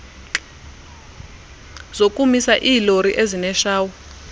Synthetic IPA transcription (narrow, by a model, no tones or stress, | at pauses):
zokʼumisaʔiːloɾiʔezinɛʃaːwu